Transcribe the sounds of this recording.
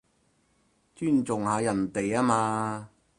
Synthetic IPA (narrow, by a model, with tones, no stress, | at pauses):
t͡ʃyː˥˨nt͡sʊ˨ŋhaː˨˧jɐ˨˩nt̪e˨jaː˥maː˧